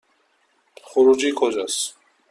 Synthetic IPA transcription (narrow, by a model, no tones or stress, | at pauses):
χuɾud͡ʒikʰɔd͡ʒas